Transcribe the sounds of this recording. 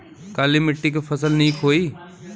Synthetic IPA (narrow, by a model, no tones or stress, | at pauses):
kaːlimɪʈːik̬efʰəsəlnĩkʰoːiː